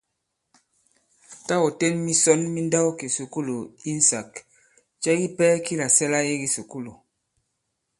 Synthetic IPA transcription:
ta˦o˨te˦nmi˦sɔ˦nmi˦nda˦wki˨su˨ku˦lo˨i˦n˨sa˨k | t͡ʃɛ˦ɡi˦pɛ˦ki˦la˨sɛ˦la˦i˦ɡi˦su˨ku˦lo˨

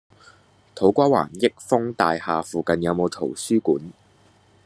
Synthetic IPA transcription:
t̪ʰo˨˥wkʷaː˥wa̰ː˨˩njɪ˥k̚fʊ˥ŋt̪aː˨jhaː˨fuː˨kɐ˨njɐ˨˧wmo˨˧wt̪ʰo˨˩wsyː˥kuː˨˥n

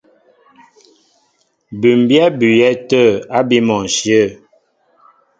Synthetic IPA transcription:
bʉ˨m˨bjɛ˦bʉ˨jɛ˦tə˦˨a˦bi˦mɔ˨n˨ʃjə˦˨

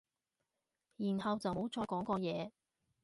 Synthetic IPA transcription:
jiː˨˩nhɐ˨wt͡sɐ˨wmo˨˥wt͡ʃɔː˧jkɔː˨˥ŋkɔː˧jɛː˨˧

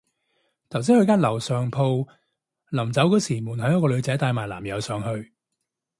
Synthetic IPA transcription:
t̪ʰɐ˨˩wsiː˨˥hɵ˧ɥkaː˥nlɐ˨˩wsœː˨ŋpʰo˧w | lɐ˨˩mt͡sɐ˨˥wkɔ˨˥wsiː˨˩muː˨˩nhɐ˨˥jɐ˥kɔː˧lɵ˨˧ɥt͡sɛ˨˥t̪aː˧jmaː˨˩jlaː˨˩mjɐ˨˧wsœː˨˧ŋhɵ˧ɥ

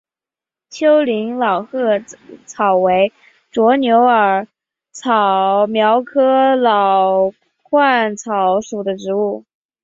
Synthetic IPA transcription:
t͡ɕʰjo˥ʊli˧˥ŋlɑ˨˩ʊxɤ˥˩t͡sʰɑ˨˩ʊwe˧˥ɪ | ʈ͡ʂwɔ˧˥njo˧˥ʊə˞˨˩ | t͡sʰɑ˨˩mjɑ˧˥ʊkʰɤ˥lɑ˨˩ʊ | kʰwa˥˩nt͡sʰɑ˧˥ʊʂu˨˩d̪ə˦ʈ͡ʂɻ̩˧˥u˥˩

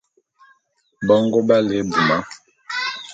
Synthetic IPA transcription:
bɔ˦ŋ˦ɡo˦ba˦le˨˦bu˨ma˦

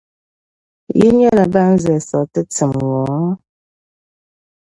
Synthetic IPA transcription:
ji˦ɲɛ˦la˨ba˦n̩˦zɛ˨sɔ˨tə˦t͡sə˨mŋɔ˨˦

